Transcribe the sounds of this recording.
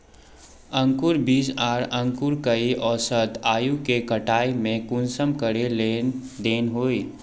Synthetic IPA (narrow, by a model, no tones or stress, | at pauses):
ə̃ŋkʊɾbiːsaːɾə̃ŋkuɾkəiʔɔːsət̪aːjukekəʈaːimẽkʊnsəmkəɾele | d̪eːnɦoːi